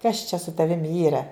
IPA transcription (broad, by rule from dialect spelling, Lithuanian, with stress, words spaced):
kɐs t͡ʃʲɛ sʊ tɐˈʋʲɪm ˈiːrɐ